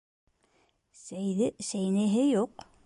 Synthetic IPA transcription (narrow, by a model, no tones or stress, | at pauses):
sæjðɘsæjnɘ̆ɦɘjuq